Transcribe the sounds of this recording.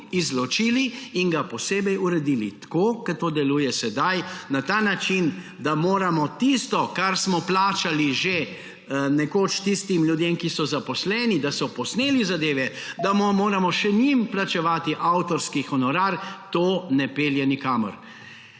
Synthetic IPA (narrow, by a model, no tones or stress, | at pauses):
izlɔt͡ʃiːliːnɡapɔseːbɛjuɾɛd̪iːlḭt̪koːkɐt̪oːd̪ɛluːjɛsɛd̪ajnat̪aːnat͡ʃin | d̪amoːɾamɔt̪ist̪ɔkaɾsmɔplaːt͡ʃaliʒe | nɛkoːt͡ʃt̪ist̪imljud̪jemkisɔzapɔslɛːnid̪asɔpɔsneːlizad̪eːʋɛ | d̪amɔmoːɾamɔʃɛnimplat͡ʃɛʋaːt̪iʔawt̪ɔɾskixɔnɔɾaːɾt̪oːnɛpeːljɛnikaːmɔ̰ɾ